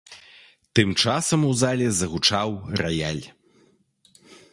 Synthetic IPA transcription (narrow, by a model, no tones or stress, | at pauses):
t̪ɨmt͡ʂasɐmuzalʲɛzɐɣut͡ʂawrɐjalʲ